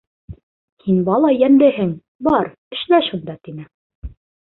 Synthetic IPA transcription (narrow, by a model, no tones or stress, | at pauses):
hinbɑlˠɑjænlɘhɘŋ | bɑɾ | ɘ̆ʃlæʃund̪ɑt̪inɘ